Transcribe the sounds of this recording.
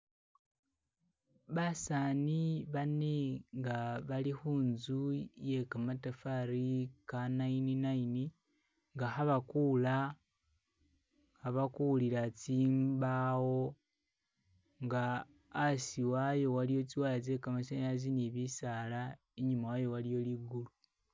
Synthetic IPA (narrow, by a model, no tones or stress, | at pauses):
βasaniβane̞ŋɡaβalixuːnzujekamatafaɾikanaininaini | ŋɡaxaβakula | haβakuliɾat͡siːmbawo̞ | ŋɡaː | siwajo̞walijo̞t͡siwalat͡se̞kamasaaz̬iniβisala | eɲumawajo̞walijo̞liɡulu